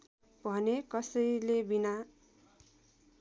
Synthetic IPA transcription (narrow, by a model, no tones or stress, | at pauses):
bʱʌnekʌsʌjlebina